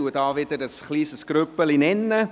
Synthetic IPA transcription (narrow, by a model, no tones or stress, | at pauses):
uədɑːvɪdəɾəsχliːsəsɡ̥ɾʏpəlinɛnːə